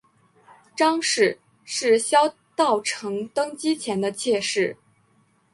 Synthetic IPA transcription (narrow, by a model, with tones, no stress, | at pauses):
ʈ͡ʂɑ˥ŋʂɻ̩˥˩ | ʂɻ̩˥˩ɕjɑ˥ʊ | t̪ɑ˥˩ʊʈ͡ʂʰɤ˧˥ŋt̪ɤ˥ŋt͡ɕi˥t͡ɕʰjɛ˧˥nd̪ə˧t͡ɕʰjɛ˥˧ʂɻ̩˥˩